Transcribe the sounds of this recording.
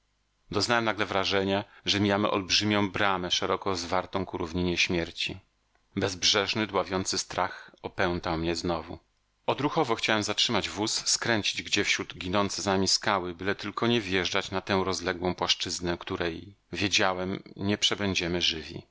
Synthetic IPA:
d̪ɔznawɛmnaɡlɛvɾaʐɛɲaʐɛmʲijamɘ̰ʔɔ̰lbʐɘmʲjɔ̃w̃bɾamɛʂɛɾɔkɔzvaɾt̪ɔ̃w̃kuɾuvɲiɲɛɕmʲjɛɾt͡ɕi | bɛzbʐɛʐnɘd̪wavʲjɔnt̪sɘst̪ɾaxɔpɛw̃nt̪awmɲɛznɔvu | ɔd̪ɾuxɔvɔxt͡ɕawɛmzatʂɘmad͡ʑvusːkɾɛɲt͡ɕid͡ʑɡd͡ʑɛfɕɾud̪ɡʲinɔnt̪sɛznamʲiskawɘbɘlɛt̪ɘlkʰɔɲɛvjɛʐd͡ʐat͡ɕnat̪ɛw̃ɾɔzlɛɡwɔ̃w̃pwaʂt͡ʂɘznɛkt̪uɾɛj | vʲjed͡ʑawɛmɲɛpʂɛbɛɲd͡ʑɛmɘʐɘvʲḭ

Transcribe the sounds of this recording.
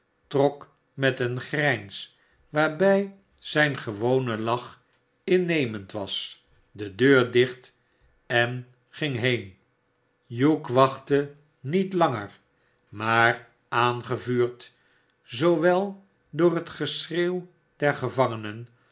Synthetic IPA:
trɔk | mɛtənχrɛjns | ʋaːɹbɛj | z̥ɛjnχəʋownəlɑχ | ɪnejməntʋɑ̰s | dədøːɹdɪχt | ɛn | χɪŋɦejn | jukʋɑχtə | nitlɑŋə̰ɹ | maːr | aːnχəvyːɹt | zowʋɛlˠ | dʊːrɦətχəsrew | dɛɹχəvɑŋənən

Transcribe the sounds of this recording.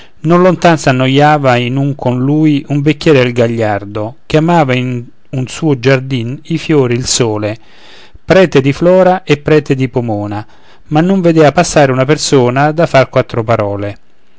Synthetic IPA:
nonlont̪ansanːojaːvainuŋkʰonluːjuɱvekːjɛːɾɪd̪elɡaʎːard̪okjamaːvain | unsuːʊd͡ʒard̪inifjoːɾiilsoːle | pɾɛːt̪ed̪iflɔːɾaʔepːɾɛːt̪ed̪ipomoːna | manːoɱved̪eːvapasːaːɾeunapersoːnad̪afarkwat̪ːɾopaɾɔːle

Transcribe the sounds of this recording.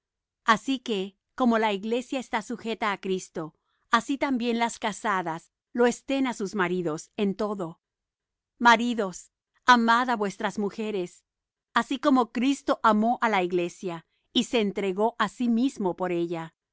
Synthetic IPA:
asike̞ | ko̞mo̞laiɣle̞sjaest̪asuxe̞t̪aːkɾist̪o̞ | asit̪ambje̞nlaskasaðas | lo̞e̞st̪e̞nasuzmaɾiðo̞se̞nt̪o̞ðo̞ | maɾiðo̞s | amaðaβwe̞st̪ɾazmuxe̞ɾe̞s | asiko̞mo̞kɾist̪o̞ʔamo̞ʔalaiɣle̞sja | ise̞ːnt̪ɾe̞ɣo̞ʔasimizmo̞po̞ɾe̞ʝa

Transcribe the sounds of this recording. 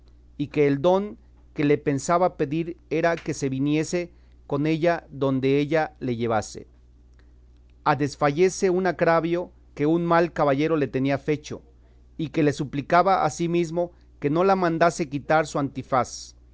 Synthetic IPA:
ike̞ːld̪o̞ŋ | ke̞le̞pe̞nsaβape̞ðiɾe̞ɾake̞se̞βinje̞se̞ | ko̞ne̞ʝaðo̞nd̪e̞eʝale̞ʝe̞βase̞̰ | aðe̞sfaʝe̞se̞unaɣɾaβjo | ke̞unmalkaβaʝe̞ɾo̞le̞t̪e̞niafe̞t͡ʃo̞̰ | ike̞le̞suplikaβaʔa̰simizmo̞ | ke̞no̞lamãnd̪ase̞kit̪aɾsuant̪ifas

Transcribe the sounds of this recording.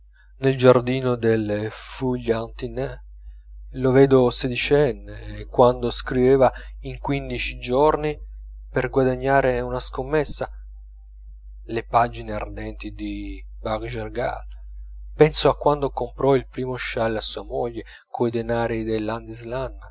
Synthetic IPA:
neld͡ʒard̪iːnod̪elfuʎːant̪inɛ | lovɛːd̪osed̪it͡ʃɛnːeːkwand̪oskɾivɛːvaiŋkwind̪it͡ʃid͡ʒorni | perɡwad̪aɲːaːɾeunaskomːɛsːa | lepad͡ʒineard̪ɛnt̪id̪i | baɡd͡ʒerɡa̰l | pɛnsoakːwand̪okompɾɔilpɾiːmoʃalːasːuːamoʎːe | kʰoid̪enaːɾid̪elːand̪izlanː

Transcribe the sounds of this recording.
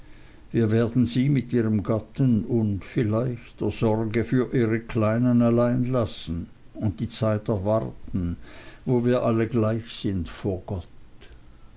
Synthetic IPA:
viːɐveːɐdn̩ziːmɪtiːʁəmɡatənʊntfɪlaɪçtd̥eːɐzɔʁɡəfyːɐʔiːʁəkʰl̥aɪnənalaɪnlasn̩ | ʊnt̚d̥iːt͡saɪtɛɐvaʁtn̩voːviːɐʔaləɡlaɪçsɪntfoːɐɡɔt

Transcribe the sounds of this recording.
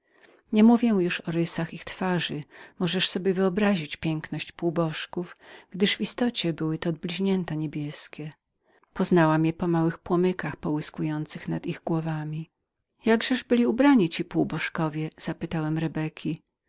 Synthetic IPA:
ɲɛmuvʲjɛjuʂɔɾɘsaxixt̪faʐɘmɔʐɛʂsɔbʲjɛvɘɔbɾaʑit͡ɕpʲjɛŋknɔɕt͡ɕpuwbɔʂkufɡ̥d̪ɘʐvist̪ɔt͡ɕɛbɘwɘt̪ɔːd̪̚blʲiʑɲɛnt̪aɲebʲjɛskʲɛ | pɔznawamjɛpɔmawɘxpwɔmɘkaxpɔwɘskujɔnt̪sɘxnad̪iɣɡwɔvamʲi | jaɡʐɛʐbɘlʲiubɾaɲit͡ɕipuwbɔʂkɔvʲjɛz̥apɘt̪awɛmɾɛbɛkʲʰi

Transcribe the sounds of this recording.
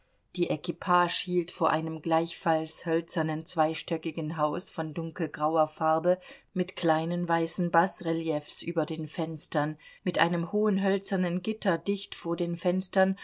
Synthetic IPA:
d̥iːʔekipʰaːʃhiːltfoːɐʔaɪnəmɡlaɪçfalshœlt͡sɐnənt͡sv̥aɪʃtœkɪɡn̩ɦaʊsfɔndʊŋkl̩ɡʁaʊɐfaɐbə | mɪtkl̥aɪnənvaɪsn̩basʁeljɛfsʔyːbɐdeːnfɛnstɐnmɪtʔa̰ɪnəmhoːənɦœlt͡sɐnənɡɪtʰɐdɪçtfoːɐdeːnfɛnstɐn

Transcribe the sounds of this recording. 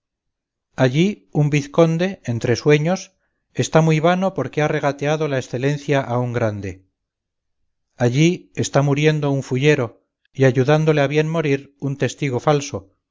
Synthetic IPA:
aʎi | umbiθko̞nd̪e̞ent̪ɾe̞swe̞ɲo̞s | e̞st̪amujβano̞po̞ɾke̞are̞ɣ̞at̪e̞aðo̞laesθe̞le̞n̟θjaʔauŋɡɾand̪e̞ | aʎie̞st̪amuɾje̞nd̪o̞uɱfuʝe̞ɾo̞ | iaʝuðand̪o̞leaβje̞nmo̞ɾiɾunt̪e̞st̪iɣ̞o̞falso̞

